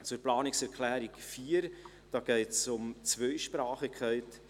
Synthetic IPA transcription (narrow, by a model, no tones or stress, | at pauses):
t͡sʊɾplɑːnɪksɛɾkʰlæːɾikfiːəɾ | d̥ɑːɡ̥ɛɪtsʊmt͡svœʏʃpɾɑːχikʰχɛɪt